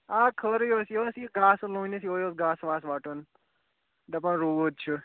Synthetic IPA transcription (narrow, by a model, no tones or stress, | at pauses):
aːkʰəɾjoːsiosiɡaːslõːnesioːjoːsɡaːsʋaːsʋaːʈon | d̪ɐpãːɾuːod̪̚t͡ʃʰu